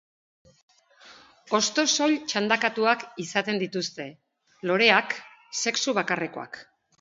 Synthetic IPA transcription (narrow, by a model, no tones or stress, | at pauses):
o̞st̪o̞so̞ʎt͡ʃand̪akat̪uakisat̪e̞nd̪it̪ust̪e̞ | lo̞ɾe̞ak | se̞ksuβ̞akare̞ko̞̰a̰k